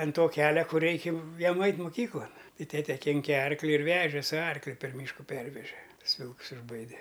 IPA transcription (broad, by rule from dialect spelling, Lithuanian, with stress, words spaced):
ɐn ˈtoː ˈkʲæːlʲɛ ˈkʊr ˈrʲɛɪkʲɪ ˈjiɛm ˈɐɪtʲ mʊˈkʲiːklˠɐn ˈtɐɪ ˈtʲæːtʲɛ ˈkʲɪŋʲkʲɛ ˈɐrklʲɪ ɪr ˈʋʲæːʒʲɛ sʊ ˈɐrklʲʊ pʲɛr ˈmʲiːʃkʊ ˈpʲɛrʲʋʲɛʒʲɛ ˈtʊs ˈʋʲɪlˠks ɪʒˈbɐɪdʲɛ